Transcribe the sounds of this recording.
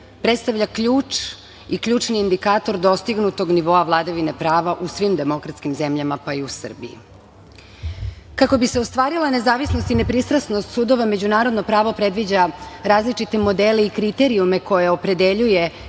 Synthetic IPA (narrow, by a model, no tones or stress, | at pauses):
pɾet̪st̪aʋʎakʎuːt͡ʃ | ikʎuːt͡ʃniːnd̪ikaːt̪o̞ɾd̪o̞st̪iɡnut̪o̞ɡniʋo̞aʋlˠad̪aʋine̞pɾaːʋaʔusʋimd̪emo̞kɾat̪skimze̞mʎamapaiusr̩bḭḭ | kako̞biseo̞st̪ʋaːɾilˠane̞zaːʋisnost̪ine̞pɾist̪ɾasnost̪suːd̪o̞ʋame̞d͡ʑunaːɾo̞d̪nopɾaːʋo̞pɾe̞d̪ʋid͡ʑaɾaːzlit͡ʃit̪e̞mo̞d̪ele̞ikɾit̪e̞ɾiume̞ko̞jeopɾe̞d̪e̞ʎuje̞